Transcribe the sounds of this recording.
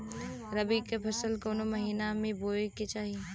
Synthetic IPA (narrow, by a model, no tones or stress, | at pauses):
ɾɐbikepʰɐsəlkoːnomɐɦiːnamẽboːeket͡ʃaːɦi